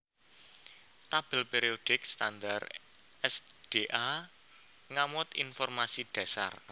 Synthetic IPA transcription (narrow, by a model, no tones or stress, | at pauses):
t̪ab̥ə̤lpeɾiod̥ɪkst̪and̪ar | ɛsd̥eʔa | ŋamɔt̪ḭnfɔrmasid̥a̤sa̰r